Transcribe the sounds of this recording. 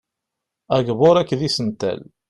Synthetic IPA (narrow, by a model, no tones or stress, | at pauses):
æɡvoɾækːðisənt̪æ̰l